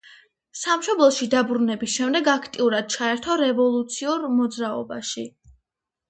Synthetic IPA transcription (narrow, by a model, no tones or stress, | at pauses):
samʃɔblˠɔsʃid̪abɾunɛbisʃɛmd̪ɛɡakʰt̪ʼiuɾad̪̥̚t͡ʃʰaɛɾt̪ʰɔɾɛvɔlˠut̪sʰiuɾmɔd̪zɾaɔbaʃi